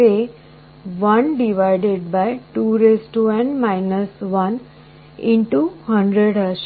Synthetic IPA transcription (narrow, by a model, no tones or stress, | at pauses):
e | ʋɐ̃nɖiʋaɪɖeɖ̚baɪʈuːɾesʈuɛ̃ɳɖmaɪnəsʋʌn | ĩɳʈuhə̃ɳɖɾeɽəs